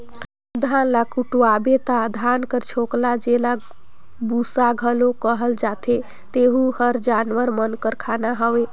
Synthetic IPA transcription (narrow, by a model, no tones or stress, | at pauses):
d̪ʱanlakuʈuabet̪ad̪ʱankəɾt͡ʃʰoklad͡ʒela | busaɡʱəlokəɦəld͡ʒat̪ʰe | t̪eɦuhəɾd͡ʒanʋəɾmənkəɾkʰanaɦəwe